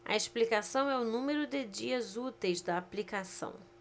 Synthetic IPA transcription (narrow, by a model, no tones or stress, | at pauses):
ɐ̰eʃplikasɐ̃w̃ɛʊnũmeɾʊd̪ɪd͡ʒiɐzut̪ejzd̪ɐːplikasɐ̰̃w̃